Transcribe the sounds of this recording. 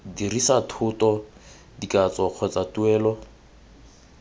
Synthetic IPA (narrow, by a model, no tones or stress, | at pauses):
dirisatʰʊtɔ | dikʼat͡sʼɔk͡xʰɔt͡satʊɛːlɔ